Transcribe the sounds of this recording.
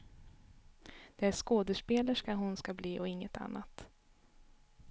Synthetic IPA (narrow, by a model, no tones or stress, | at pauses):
d̪̥ɛæʂkoːd̪əʂpeːləʂkaɦʊnskabliːʔɔɪŋːət̪a̰nːat̪